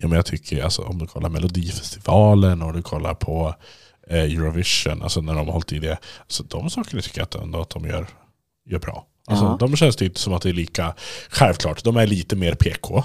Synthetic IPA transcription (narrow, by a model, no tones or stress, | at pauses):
juːmɛnjɑt̪ʰʏkʰːəɾalsɔ̰ʔɔ̰md̪ɵkʰɔlːaɾmɛlʊd̪iːfɛst̪ɪvɑːlənɔmd̪ɵkʰɔlːa̰ɾpʰɔ | jʉɾʊvɪʂʊ̰nʔa̰lsɔnæɖɔmhɔlt̪ɪd̪ɛsɔd̪ɔmsɑːkəɳat̪ʰʏ̥kːəɾat̪̚ɛ̰nd̪at̪̚d̪ɔmjœ̰ːɾ | jœːbɾɑ̰ː | ʔalsɔd̪ɔmɕɛnst̪ʰyːpt̪ə̥sɔmat̪̚d̪ɛæɭiːkaɧɛlvklɑːʈːd̪ɔmæɭiːt̪əmeːɾpʰeːkʰo